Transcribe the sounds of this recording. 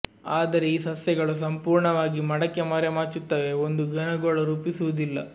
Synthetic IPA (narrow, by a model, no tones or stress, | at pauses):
aːd̪ɐɾe̞iːsɐsjɐɡɐɭus̬ɐmpuːɾɳɐʋaːɡimɐɽɐkːemɐɾemaːɾt͡ʃut̪ːɐːʋeond̪uɡɐnɐɡoːɭɐɾuːpisuʋud̪ilːɐ̰